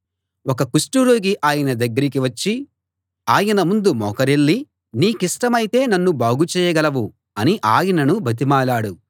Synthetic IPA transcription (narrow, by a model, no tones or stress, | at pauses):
wɔkɐkusʈuɾoːɡiʔaːjɐnɐd̪ɐɡːɐɾik̬iʋɐt͡ʃːi | aːjɐnɐmund̪umɔːkɐɾeɭːi | niːkiʂʈɐmɐjit̪e̞ːnɐnːubaːɡut͡ʃɛːjɐɡɐlɐʋu | ɐniʔaːjɐnɐnubʱɐt̪̬imaːlaːɽu